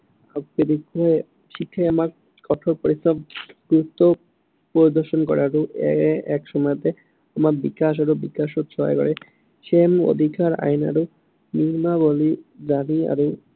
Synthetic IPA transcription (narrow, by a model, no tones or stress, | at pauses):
aked̪ikːɔe | ʃikʰːaeamaɾ | kɔʈʰoɾpoɾist̪ʰabɡɾut̪ːo | poɾid̪oɾʃonkɔ̰ɾeaɾuɛkʃɔmɔt̪e | amaɾbikaʃ̬aɾobikaʃot̪ʃɔa̰kɔ̰ɾe | ʃemo̰d̪ʱikaɾa̰jna̰ɾu | niɾmabolid͡ʑania̰ɾu